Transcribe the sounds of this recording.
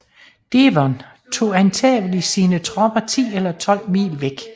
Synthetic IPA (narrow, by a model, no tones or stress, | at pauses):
d̥eʋɒn | t͡sʰo̝̰ːænt͡sʰɛ̰ːʋlisiːnət͡sʰʁɒb̥ɐt͡sʰḭːelɐt͡sʰɒ̽l̰mḭːlʋeɡ̥